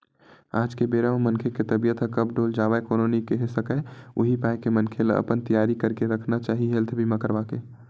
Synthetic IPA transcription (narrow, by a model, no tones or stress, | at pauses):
a̰ːd͡ʒkebeːɾamənkʰeket̪əbijət̪ɦəkəb̚ɖoːld͡ʒaːʋaekoːnonikeɦesəkəʊɦipaːjkemənkʰelə̰pənt̪ijaːɾikəɾkeɾəkʰnat͡ʃaːɦiɦelt̪ʰbʱimə̃kəɾbake